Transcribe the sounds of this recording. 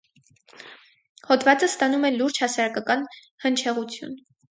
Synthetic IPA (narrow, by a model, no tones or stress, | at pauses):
hɔd̪vɑt͡səst̪ɑnumɛluɾd͡ʒhɑsɑɾɑkɑkɑn | hənt͡ʃʰɛʁut͡sʰjṵn